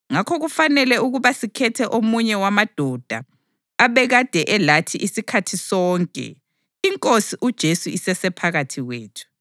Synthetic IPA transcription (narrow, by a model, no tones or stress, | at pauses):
ŋakʰɔɣufanɛlɛuɣuβasikʰɛtʰɛʔomuɲɛwamad̥ʱɔd̥ʱa̰ | aβɛɣad̥ʱɛʔɛlatʰiʔisikʰatʰisɔːŋkʼɛ̰ | iŋkʼosiʔud̥ʒ̥ʱesuisɛsɛpʰaɣatʰiɣweːtʰu̥